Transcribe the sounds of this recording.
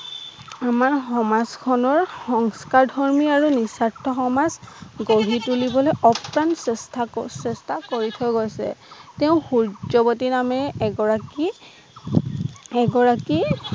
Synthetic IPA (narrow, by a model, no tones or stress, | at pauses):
amaɹxɔmazkʰɔnɔɹxɔŋskaɹdʱɔɹmiaɹunisatʰːɔxɔmazɡoɹitulibɔlɔjʔɔpɹansɛstasɛstakoɹitʰɔjɡojsɛ̰teʊ̃xuɹd͡ʒɔbɔtinamɛɡɔɹaki | ɛɡɔɹaki